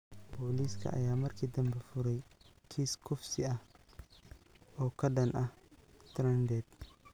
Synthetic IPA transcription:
bɔːliskʰɐ̰ʔɐ̰jaːmɐrkʰiːd̪ɐmbɛfʊɾɛjkʰiːskʰʊfsɪɐh | ɔːkʰɐɗɐnʔɐht̪ɾɐnd̪ɛːd̪

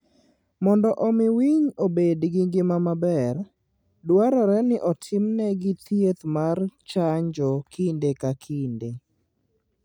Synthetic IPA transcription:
mɔndɔʔɔmɪwiɲobedɡɪŋɡɪmamabɛr | dwaɾɔɾɛnɪʔɔtʰɪmnɛɡɪt̪jet̪mart͡ʃaɲd͡ʒɔkʰindekakʰinde

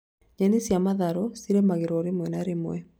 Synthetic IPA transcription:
ɲanesjamaðaɾɔsiɾemaɣeɾɔɾemwɛnaɾemw̰ɛ

